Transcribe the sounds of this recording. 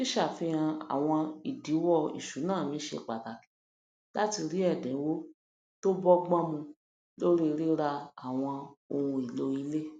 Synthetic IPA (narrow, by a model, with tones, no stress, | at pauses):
ki˦ʃa˦˨fĩ˧ã˧a̰˨w̃ɔ̃˧i˨di˨˦wɔ˦˨ḭ˨ʃu˨˦nãː˦˨mĩ˨˦ʃḛ˧˨k͡pa˨ta˨kĩ˨˦ | la˦ti˧ɾi˦ɛ˦˨dɛ̃˨˦wo˦ | to˦bɔ˦ɡ͡bã˦mũ˧ | lo˦ɾi˦˧ɾi˦ɾa˧a˨w̃ɔ̃˧o˧hũ˧i˨lo˧i˧le˦